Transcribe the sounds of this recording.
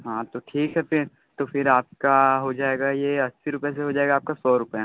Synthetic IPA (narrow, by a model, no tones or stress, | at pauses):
ɦãːt̪oʈʰiːkɦɛfɪɾ | t̪ofɪɾaːp̚kaɦod͡ʒaːeːɡajeɐsːiɾʊpjes̬eɦod͡ʒaːeːɡaːp̚kasɔːɾʊpj